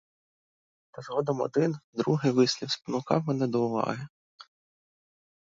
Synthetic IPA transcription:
t̪ɐzɦɔd̪ɔmɔ̰d̪ɪnd̪ɾuɦɪʋɪsʲlʲiwspɔnʊkɑwmɛnɛd̪ɔʊʋɑ̰ɦɪ

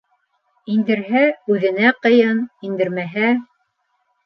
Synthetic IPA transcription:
ind̪ɘ̆ɾɦæʉðɘ̆næqɤ̆jɤnind̪ɘ̆ɾmæɦæ

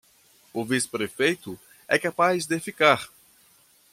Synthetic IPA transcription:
ʊvisɪ̥pɾefejt̪ʊ | ɛ̰kapajzd̪efikaɾ

